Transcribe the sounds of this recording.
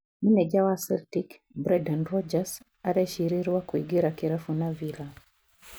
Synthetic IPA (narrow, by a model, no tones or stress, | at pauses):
ninɛʄawasɛltik | bɾɛdanɾɔd͡ʒas | aɾɛʃiɾiɾiwakuiɡiɾakiɾɛfunavila